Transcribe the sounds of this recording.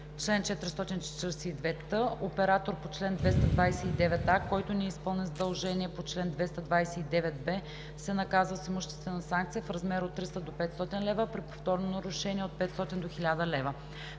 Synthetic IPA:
t͡ʃlɛnt͡ʃɛt̪ɾist̪ɔt̪int͡ʃɛ̥t̪əɾsiːd̪vɛt̪əʔopɛɾat̪oɾpot͡ʃlɛnd̪vɛst̪ɐd̪vajsɛid̪ɛvɛt̪akɔjt̪ʊnɛːspɤlˠnizəd̪ɐlˠʒɛniɛpot͡ʃlɛnd̪vɛst̪ɐd̪vajsɛid̪ɛvɛt̪̚bɛ | sɛnɐkazəsimoʃt̪ɛ̥st̪vɛnɐsaŋk̚t̪sijəfɾɐzmɛɾot̪ːɾist̪əd̪opɛt̪st̪ɔt̪inlɛvəpɾipo̥ft̪ɔɾnonɐɾʊʃɛniɛot̪̚pɛt̪st̪ɔt̪ind̪oxilʲad̪əlɛvə

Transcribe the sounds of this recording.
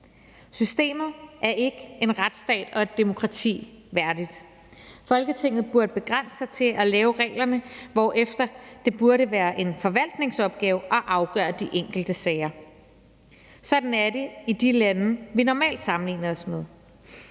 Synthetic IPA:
sysd̥e̝̰ːmð̞̩ˠʔæɐʔe̝ɡ̥əe̝nʁad̥sd̥ɛ̰ːd̥ɒ̽e̝d̥ːe̝mo̝kʰʁɑ̈t͡sʰḭː | ʋæɐd̥id̥ | fɒ̽lɡ̥ət͡sʰe̝ŋ̰ð̩ˠb̥uɐd̥əb̥e̝ɡ̥ʁan̰sə̥sɑ̈ɪt͡sʰe̝ʔælɛːʊʁɛ̰ːlɐnəʋɒ̰ːʔefd̥ɐd̥e̝b̥uɐɾəʋæːɐʔe̝nfɒ̽ʋæl̰d̥ne̝ŋsɒ̽b̥̚ɡ̥ɛːʊɒ̽ʔɑ̈ʊɡ̥ɶːɐd̥iʔeŋ̰ɡ̥l̩d̥əsɛːɪɐ | sɒ̽d̥n̩æɐde̝id̥ilænʋinɒmɛ̰ːld̥sɑ̈mn̩lḭːnɐɒ̽smeð̞ˠ

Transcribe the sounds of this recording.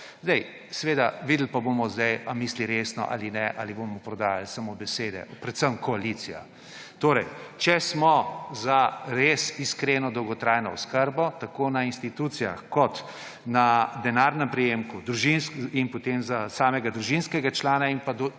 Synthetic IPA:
zd̪ɛj | sɛʋeːd̪aʋiːd̪l̩pabomɔzd̪ɛjamiːsliɾeːsnɔ̰ʔa̰ːlinɛʔa̰libomɔpɾɔd̪aːjalsamobɛseːd̪ɛ̰pɾɛt̪səmkɔalit̪sija̰ | t̪oːɾɛjt͡ʃɛsmɔzaɾeːsiskɾenɔd̪ɔwɡɔt̪ɾajnɔɔskəɾbɔt̪akonainst̪it̪ut̪sija̰xkɔt̪ | nad̪ɛnaːɾnɛmpɾijeːmkud̪ɾuʒinskinpot̪emzasaːmɛɡad̪ɾuʒinskɛɡat͡ʃlaːnainpad̪

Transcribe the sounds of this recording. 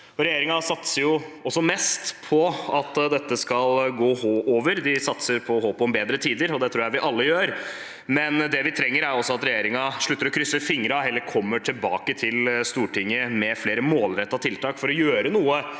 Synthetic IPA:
ɔɾɛjeːɾɪŋɑsɑt̪səɾjʊɔsːɔmɛst̪pʰɔɑt̪d̪ɛt̪ːəskɑlɡoːhoːʔoːʋəɾd̪ɪsɑt̪səɾpʰɔhoːpɔɔmbeːd̪ɾət̪ʰiːd̪əɾɔd̪ɛt̪ʰɾuːjæɪʋɪʔɑlːəjøːɾ | mɛnd̪ɛʋɪt̪ʰɾɛŋːəɾæɾɔsːɔɑt̪ɾɛjeːɾɪŋɑʂɭʉt̪ːəɾɔkʰɾʏsːəfɪŋɾɑɛlːəɾkʰɔmːəʈʰɪlbɑːkət̪ʰɪlst̪uːʈʰɪŋːəmɛfleːɾəmoːlɾɛt̪ːɑt̪ʰɪlt̪ʰɑːkfɔɾɔjøːɾənuːə

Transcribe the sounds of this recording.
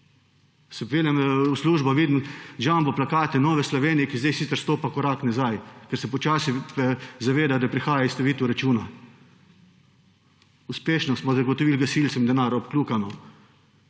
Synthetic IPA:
sɛpʋeljamusluːʒbaʋiːd̪mʒambɔplakaːt̪ɛnɔːʋɛslɔʋeːnijɛkizd̪ɛjsit̪ɛɾst̪oːpakɔɾaknazajkɛɾsɛpɔt͡ʃaːsipɛzaʋeːd̪ad̪apɾixaːjaist̪ɐʋiːt̪uɾat͡ʃuːna | uspeːʃnɔsmɔzaɡɔt̪ɔʋilɡasilt̪ɛmind̪ɛnaɾɔpkluːkanɔ

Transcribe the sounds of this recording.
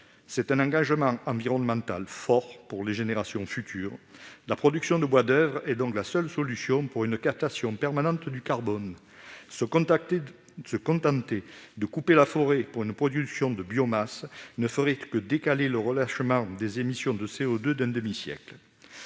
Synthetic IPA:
sɛt̪ɛ̃nɑ̃ɡɑ̃ʒəmɑ̃ɑ̃viʁɔnmɑ̃t̪a̰lfɔʁpuʁleʒeneʁasjɔ̃fyt̪ʰyːʁlapχɔd̪yksjɔ̃d̪əbwad̪œvʁɛd̪ɔ̃klasœlsɔlysjɔ̃puʁynkap̚t̪asjɔ̃pɛʁmanɑ̃t̪d̪ykaʁbɔn | s | səkɔ̃t̪ɑ̃t̪ed̪əkupelafɔʁepuʁynpχɔd̪yksjɔ̃d̪əbjɔmasnəfəʁɛkəd̪ekaleləʁəlaʃəmɑ̃d̪ezemisjɔ̃d̪əseɔd̪ød̪ɛ̃d̪əmisjɛ̰kl

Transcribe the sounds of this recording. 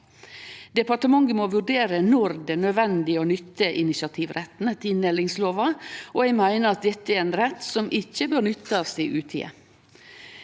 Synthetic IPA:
d̪ɛpɑʈəmɑŋɡənmoːʋʉɖeːɾənɔɾd̪ɛnœd̪ʋɛnd̪ɪoːnʏt̪ʰːəʔɪnɪsɑt̪ʰiːʋɾɛt̪n̩ət̪ʰɪnːɛːlɪŋsloːʋɑoæɪmæɪnəɾɑt̪̚d̪ɛt̪ːəæɾeːnɾɛt̪ːsɔmʔɪçːəbøːɾnʏt̪ːɑsɪʔʉːt̪ʰḭːə̰

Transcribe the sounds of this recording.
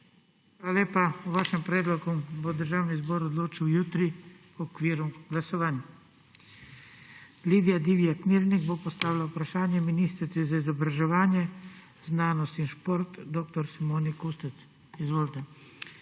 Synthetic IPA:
xʋaːlaleːpauʋaːʃɛmpɾɛːd̪lɔɡubod̪əɾʒaːwnizbɔɾɔd̪loːt͡ʃiwjuːt̪ɾi | ɔkʋiːɾuɡlasɔʋaːnja | liːd̪ijad̪iʋiakmiːɾniɡbopɔst̪aːʋilaupɾaʃaːnjɛminiːst̪ɾisɛzaizɔbɾaʒɛʋaːnjɛ | znaːnɔst̪inʃpoɾt̪d̪oːk̚t̪ɔɾsimoːnikust̪ɛt̪s | izʋoːlt̪ɛ

